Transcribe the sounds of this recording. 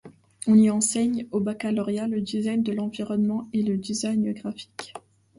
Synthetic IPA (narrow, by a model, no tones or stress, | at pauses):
ɔ̃niɑ̃sɛɲobakalɔʁjaləd̪izajnd̪əlɑ̃viʁɔnmɑ̃eləd̪izajnɡʁafi̥k